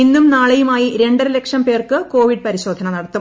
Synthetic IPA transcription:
inːumnaːɭɐjumaːjiɾe̞ɳɖɐrilekʂɐnpe̞ːrkɨko̞ːʋiɖ̚pɐɾiɕo̞ːd̪ʱɐnɐnɐɽɐt̪ːum

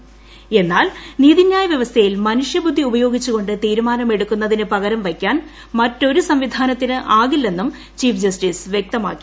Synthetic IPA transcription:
e̞nːaːlniːðʱinjaːjɐʋjɐʋɐst̪ʰɐjilmɐnuʂjɐbud̪ʱːiubɐjo̞ːɡit͡ɕːuɣo̞ɳɖɨt̪iːɾumaːnɐme̞ɽukːunːɐðinɨpɐɣɐɾɐmʋɐkʲːaːn | mɐtːo̞ɾusɐmʋid̪ʱaːnɐt̪ːinɨʔaːɣilːe̞nːum | t͡ɕiːfd͡ʑɐsʈisʋjek̚t̪ɐma̰ːkːi̥

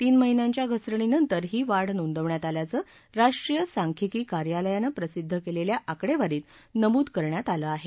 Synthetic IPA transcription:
t̪iːnməɦinaɲt͡ɕjaɡʱəsɾəɳinənt̪əɾɦiːʋaɽnond̪əʋɳjat̪aljat͡səː | ɾaʂʈɾijəsaŋkʰikiːkaɾjaləjanəpɾəsid̪ʱːəkeleljaʔakɽeʋaɾiːt̪nəmuːd̪kəɾɳjat̪aləaɦe

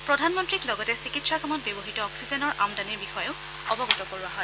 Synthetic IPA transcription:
pɹɔdʱanmɔntɹiklɔɡɔtɛsikitsakɔmɔtbebɔɦitɔɔksizɛnɔɹʔamdaniɹbixɔjɔʊ | ɔbɔɡutɔkoɹuaɦɔj

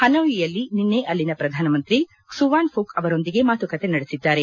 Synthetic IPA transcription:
hɐnɐʋijɐlːininːeʔɐlːinɐpɾɐd̪ʱaːnɐmɐnt̪ɾi | suʋaːnpʰuːkɐʋɐɾo̞nd̪iɡe̞maːt̪ukɐt̪e̞nɐɽesid̪ːaːɾe̞

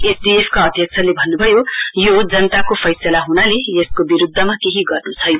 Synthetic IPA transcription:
esdiepʰkaʌd̪ʱjʌk̚t͡sʰʌlebʱʌnːubʱʌjojod͡zʌnʌt̪akopʰʌjsʌlaɦunaleeskobiɾud̪ʱːʌmakeɦiɡʌrnut͡sʰʌj

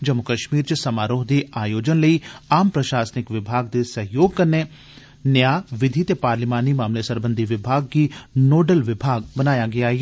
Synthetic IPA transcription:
d͡ʒɐmːʊkɐʃmiːɾt͡ʃsɐmaːɾoːɦd̪eaːjoːd͡ʒənləiaːmpɾɐʃaːsənɪkʋɪbʱaːɡd̪esɐɦjoːɡ̚kɐɾne | njaːʋɪd̪ʱit̪epaːɾlimaːnimaːmlesɐɾbə̃nd̪ʱiʋɪbʱaːɡ̚kinoːɖəlʋɪbʱaːɡ̚bɐnaːjaɡɐjaɦɛɛː

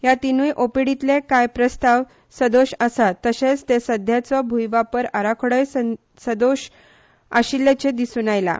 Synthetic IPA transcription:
jat̪inujʔopiɽit̪lekajpɾəst̪aʋ | səd̪oɕəsat̪ːəɕet͡st̪esəd̪ʱjat͡sɔbʱujʋapəɾəɾakʰoɽəjs | səd̪oɕ | a̰ɕilet͡ɕed̪isunajla̰

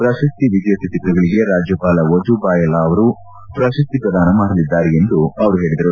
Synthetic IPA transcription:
pɾaːʃɐst̪iʋid̪jɐt̪it̪iʈ̪ɾɐɡɐɭiɡe̞ɾaːd͡ʒjɐpaːlɐʋɐd͡ʒubaːjɐlaɐʋɐɾu | pɾaːʃɐst̪ipɾɐd̪ʱaːnɐmaːɽɐlid̪ːaːɾee̞nd̪uɐʋɐɾuɦe̞ːɭid̪ɐɾu

